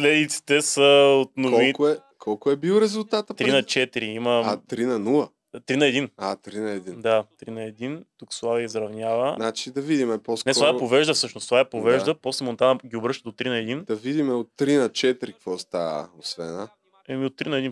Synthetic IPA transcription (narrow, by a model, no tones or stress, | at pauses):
slɛd̪it̪si̥t̪ɛsəot̪noviiɛ | kʰɔlˠkʊɛbilˠɾɛzulˠt̪at̪əpt̪ɾinɐt͡ʃɛt̪iɾiiməat̪ɾinɐnulˠə | t̪ɾinɐɛd̪inat̪ɾinɐɛd̪ind̪at̪ɾinɐɛd̪int̪uksvˠaviəizɾɐvnʲjavənat͡ʃid̪ɐvid̪imɛpɔsknɛsovaɛpovɛʒd̪əfsɤʃnost̪ovaɛpovɛʒd̪əposlɛmont̪anəɡʲiobɾɤʃt̪əd̪ot̪ɾinɐɛd̪ind̪ɐvid̪imɛot̪ːɾinɐt͡ʃɛt̪ɾikkvɔst̪aə̰osvɛ̰nna | ɛmiot̪ːɾinɐɛd̪in